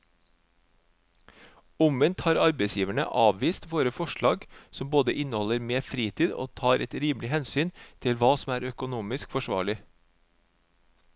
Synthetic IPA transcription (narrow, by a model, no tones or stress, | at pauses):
ʊmənt̪hɑːɾɑɾbeɪsjiːʋæɳə̰ʔɑːʋʋiːst̪ʋoːɾəfɔʃɭɑːɡsɔmboːd̪əʔɪnəhɔləɾmeːfɾiːt̪ʰiːd̪o̰ːt̪ʰɑːɾʔɛt̪ɾiːmlɪhɛnsyːnt̪ʰɪlʋɑːsɔm̩æːɾœkʊnuːmɪskfɔʃʋɑ̰ːɭɪ